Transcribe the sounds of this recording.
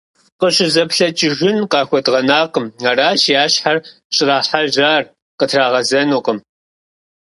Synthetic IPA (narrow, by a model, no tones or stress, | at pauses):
qəɕʼɪzɐpɬɐt͡ʃʼɪʒɪnqɑːxʷɔdʁɐnaːqəmaɾaːʃjaːɕħar | ɕʼɪraːħaʒaːr | qətʰraːʁɐzɐnuːqʼəm